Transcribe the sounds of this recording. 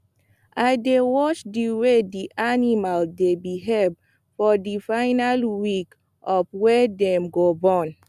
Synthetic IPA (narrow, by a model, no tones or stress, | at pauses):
adewɔt͡ʃdiwediʔanimaldebiɦɛ | fɔdifaɪnalwik | ʔɔfwɛdɛ̃mɡobɔ̃n